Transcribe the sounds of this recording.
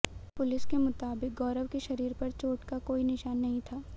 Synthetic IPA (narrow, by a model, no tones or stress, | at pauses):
pʊlɪskemʊt̪aːbɪk̚ɡɔːɾəʋkeʃɐɾiːɾpɐɾt͡ʃoːʈkakoːinɪʃaːnːɐɦĩt̪ʰaː